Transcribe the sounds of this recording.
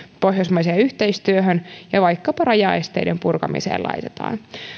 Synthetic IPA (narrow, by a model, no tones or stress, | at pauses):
po̞ɦjosmɑjseːyht̪e̞jst̪yøɦønjɑʋɑjkːɑpɑrɑjɑ̰ːest̪e̞̰jdempurkɑ̰mḭsḛːlʔɑ̰jt̪e̥t̪ɑ̰ːn